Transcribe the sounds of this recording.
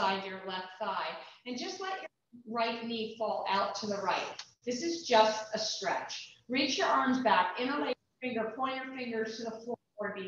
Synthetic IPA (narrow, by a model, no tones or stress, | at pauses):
aɪd͡ʒə˞lɛftθaɪɨ̃nd͡ʒʌstˡlɛt͡ʃə˞ | ɹaɪtⁿnid̥fɔlˠa̰ʊtʰɨðəɹaɪt̪̚ | ðɪsɨzd͡ʒʌstɨstɹ̥ɛ̰t͡ʃɹit͡ʃjə˞ʔɑɹmzbækɪ̃nəleɪ | ɪ̃ŋjə˞pʰɔ̃njə˞fɪ̃ŋɡə˞z̥tʰɨðəflɔ | ɔɹbi